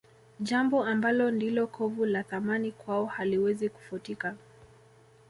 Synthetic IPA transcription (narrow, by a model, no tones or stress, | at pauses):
ʄambɔambalɔndilɔkʰɔvulaθamanikwaɔhaliwɛziku̥futika